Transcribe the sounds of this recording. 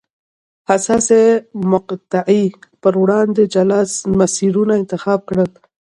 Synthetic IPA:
hasɑsemʊqt̪aʕipəɾwɽɑnd̪ed͡ʒalɑsmasiɾunaɪnt̪ɪxɑb̚kɽəl

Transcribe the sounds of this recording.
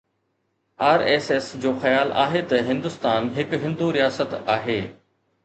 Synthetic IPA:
aːɾeːsesd͡ʑoːxɐjaːlʔa̰ːɦet̪ɐɦɪ̃nd̪ʊst̪aːnɦɪkɦɪ̃nd̪uɾijaːsət̪aːɦeː

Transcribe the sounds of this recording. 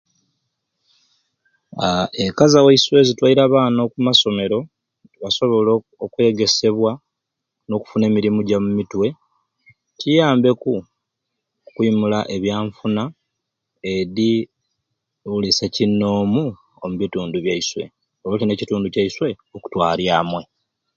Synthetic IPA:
aekazaweiswe̞zitwaiɾaβaːnokumaso̞me̞ɾo̞ | βaso̞βo̞lo | okwe̞ɡe̞se̞βwa | no̞ku̥fune̞ːmiɾimuɟamumitwe̞ | cijaːmbe̞ku | kwiːmulaʔeβjaːɱfuna | eɾi | ulisecinːo̞ːmu | omuβituːnduβjaiswe̞̰ | olocine̞cituːnducaiswe̞ | oku̥twaːljaːmwe̞

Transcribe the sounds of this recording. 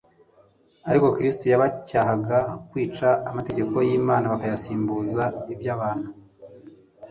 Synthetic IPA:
aɾiko̞kɾistujaβacaːɦaɡakwiːt͡ʃaːmate̞ɟe̞ko̞jiːmaːnaβakajasiːmbuːzaibjaːβaːn̥hu

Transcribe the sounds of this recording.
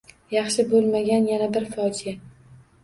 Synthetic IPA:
jɑχʃɪbolˠmaɡʲanjanabɪɾfɒd͡ʒɪa

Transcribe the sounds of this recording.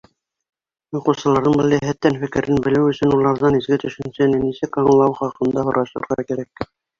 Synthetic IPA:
juqŭwsɤ̆lˠɑɾðɤɴbɘ̆lʲˠɘɦæt̪ːænfɘ̆kɘ̆ɾɘnbɘ̆lɘwɵ̆sɵ̆nulˠɑɾðɑnizɡɘt̪ɵ̆ʃɘ̆nsænɘnisɘkɑɴlˠɑwχɑqɤ̆nd̪ɑɦŏɾɑɕlˠɤ̰̆ɾʁɑkæɾæk̚

